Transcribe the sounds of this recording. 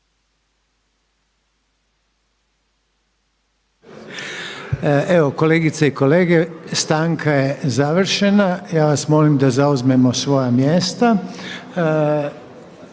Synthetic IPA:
eʋo̞ko̞leːɡit̪saiko̞le̞ːɡe̞st̪aːŋkʰajezaʋr̩ʃenajaːʋasmo̞ːlimd̪azauzme̞mosʋo̞jamje̞ːst̪a

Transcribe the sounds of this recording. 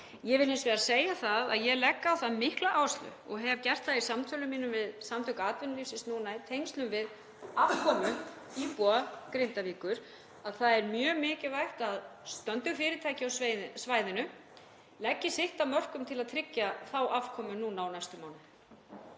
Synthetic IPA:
jɛvɪlɪnsvɛːɾasejaθaða̰ðjɛlɛkːaːwθaðmɪhklaʔawst̪lʏ̰ɔɣɦɛvcɛr̥t̪θaðisamt̪ʰœlʏmːiːnʏmvɪðsamt̪ʰʏhkaaːt̪vɛnliːfsɪsnuːnaɪt̪ʰejŋst̪lʏmvɪð | avkʰɔːmʏ | ipuakɾɪnt̪aviːkʏɾ̥ | aðθaðɛɾmjœːmɪːcɪvajht̪aðst̪œnt̪ʏɣfɪːɾɪt̪ʰaːjcɪawsveðɪsvaːjðɪnʏ | lɛcːɪsɪht̪amœr̥kʏmt̪ʰɪlaðt̪ʰɾɪcːaθawʔavkʰɔːmʏnuːnaawnajst̪ʏmaːwnɪ

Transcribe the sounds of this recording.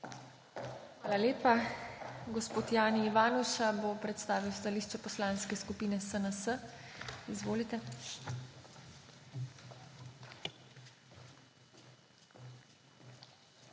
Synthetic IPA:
xʋaːlaleːpa | ɡɔspoːt̪jaːniːʋaːnuʃabopɾɛt̪st̪aːʋiwst̪aliːʃt͡ʃɛpɔslaːnskɛskupiːnɛsənəsə | izʋoːlit̪ɛ

